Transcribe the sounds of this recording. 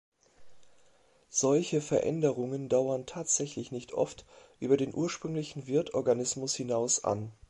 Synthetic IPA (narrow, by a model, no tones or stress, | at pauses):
z̥ɔlçəfɛɐʔɛ̰ndəʁ̞ʊŋəndaʊɐntʰaːtz̥ɛçlɪçnɪçtʰʔɔ̰ftʔyːbɐdeːnʔuːɐʃpʁ̥ʏŋlɪçn̩vɪɐtʰʔɔɐɡanɪsmʊshɪnaʊsʔa̰n